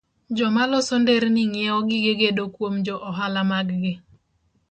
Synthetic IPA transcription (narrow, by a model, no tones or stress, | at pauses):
d͡ʒɔmalɔsɔndeɾnɪŋɪɛɔɡɪɡeɡedokwomd͡ʒɔʔɔɦalamaɡɡɪ